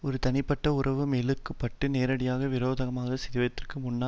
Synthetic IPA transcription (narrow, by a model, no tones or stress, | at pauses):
ɔɾɯt̪ɐnɪpːɐʈːɐʊrɐʋɯmeːlɯkːɯpːɐʈːɯneːɾɐɽɪjaːɣɐʋɪɾoːðɐɣɐmaːɣɐsɪðɪʋɐjɐt̪ːɪrkːɯmʊnːaː